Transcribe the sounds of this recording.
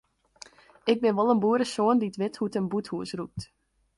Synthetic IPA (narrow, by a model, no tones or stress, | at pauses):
ɪk̚bɪnʋɔlˠənbuəɾəsoənditʋɪthutənbuthuəsrup̚t